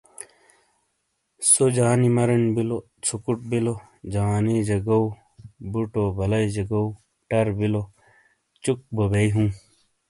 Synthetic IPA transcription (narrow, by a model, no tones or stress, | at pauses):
sod͡ʑaːnimɐɾɐnbilo | t͡sʰukuʈ̚bilo | d͡ʑaːned͡ʑɐɡɐw | buʈobɐlɐjd͡ʑɐɡɐ | ʈɐɾbilo | t͡ɕuk̚bobeiɦũː